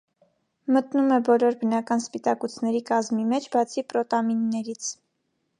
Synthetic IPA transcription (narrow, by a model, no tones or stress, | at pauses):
mət̪numɛbɔlɔɾbənɑkɑnspit̪ɑkut͡sʰnɛɾikɑzmimɛt͡ʃʰbɑt͡sʰipɾɔt̪ɑminːɛɾit͡sʰ